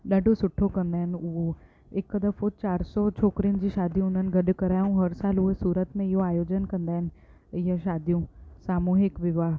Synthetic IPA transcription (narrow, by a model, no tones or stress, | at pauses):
ɗaːɖʱosʊʈʰːokɐ̃nd̪aːɦɪnʊɦo | ɪkːəd̪əfot͡ɕaːɾsɔt͡ɕʰoːkɾiʊnɪ̆d͡ʑiːʃaːd̪ʱjũʊn̤ənɪ̆ɡʱɐɖkɐɾaːjũɦɐɾsaːlʊɦesuːɾət̪mẽɪɦoaːjoːd͡ʑənkɐ̃nd̪aːɦɪnɪ̆ | ɪjaʃaːd̪ʱijũsaːmuːɦɪkʋɪʋaːɦ